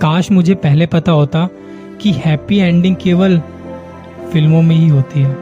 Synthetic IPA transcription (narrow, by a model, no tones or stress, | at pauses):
kaːʃmʊd͡ʒʱepɛɦlepɐt̪aɦoːt̪a | kihɛːpiɛ̃ːɳɖɪ̃ŋɡ̚keːʋəl | fɪlmõmẽɦiɦoːt̪iɦɛː